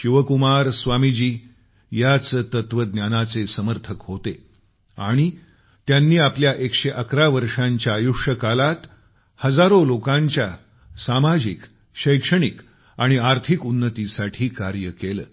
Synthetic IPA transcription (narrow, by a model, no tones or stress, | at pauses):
ɕiʋəkumaɾsʋamid͡ʑiː | jat͡st̪ət̪ʋəd̪njanat͡sesəməɾt̪ʰəkɦot̪e | a̰ɽ̃i | t̪janːiːapljaʔekʂeʔəkʰɾaʋəɾʂãɲt͡ɕjajuʂəkalat̪ | həd͡zaɾolokãɲt͡ɕja | samad͡ʑik | ɕəjkʂəɽ̃ik | aɽ̃iaɾt̪ʰikunːət̪isaʈʰiːkaɾjəkelə̰ː